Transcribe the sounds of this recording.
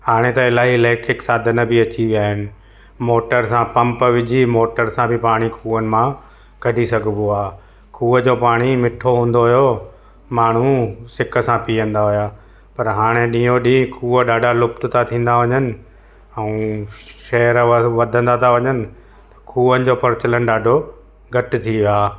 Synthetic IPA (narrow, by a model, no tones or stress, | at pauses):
haːɽ̃et̪ɐɪlaːɦileːʈɾɪksaːd̪ʱənəbʱɪɐt͡ɕiʋijaːɦɪnɪ̆ | moːʈəɾsãpɐ̃mpəʋɪd͡ʑʱimoːʈəɾsãbʱɪpaːɽ̃ikʰuːənɪ̆mã | kɐɖʱisɐɡʱboaː | kʰuːəd͡ʑoːpaːɽ̃imɪʈʰoɦũːnd̪oɦʊjo | maːɳ̤usɪkəsãpiːə̃nd̪aɦʊjaː | pɐɾɦaːɽ̃ẽɗĩːoɗĩːkʰuːəɗaːɖʱalʊpt̪ʊt̪ʰat̪ʰĩːn̆d̪aʋɐɲənɪ̆ | ɛ̃ːʃɛːəɾʋɐd̪ʱə̃nd̪at̪ʰaʋɐɲənɪ̆ | t̪ɐ̥kʰuːənɪ̆d͡ʑoːpɐɾɪt͡ɕələnɪ̆ɗaːɖʱo | ɡʱɐʈɪ̆t̪ʰiʋɪaː